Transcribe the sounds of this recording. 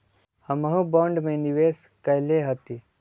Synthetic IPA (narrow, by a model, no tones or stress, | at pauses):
həməɦũbɔːɳɖmẽniʋeːs | kɐjleɦət̪i